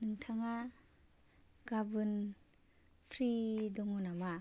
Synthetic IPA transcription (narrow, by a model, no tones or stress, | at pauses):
nɯŋtʰaŋa | ɡabɯn | pʰɾidɔŋɔnama